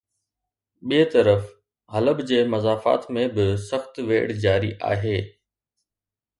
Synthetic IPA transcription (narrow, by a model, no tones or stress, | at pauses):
ɓiet̪ɐɾəf | ɦɐləbd͡ʑeːmɐzaːfa̰ːt̪mẽbɪsəxt̪ʋḛːɽd͡ʑaːɾiʔa̰ːɦeː